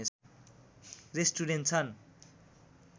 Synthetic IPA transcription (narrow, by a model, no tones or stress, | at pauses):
e | resʈuɾenʈt͡sʰʌn